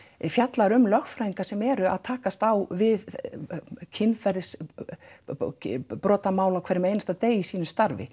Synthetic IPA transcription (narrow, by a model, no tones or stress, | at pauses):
fjat̪laɾʏmlœxfɾaːiŋkasɛmɛɾʏaðt̪ʰaːkast̪awvɪð | cʰɪnfɛɾðs | pɾɔːt̪amaːwlawkʰvɛɾːɪmejnast̪aðt̪eːjisiːnʏst̪aɾvɪ̰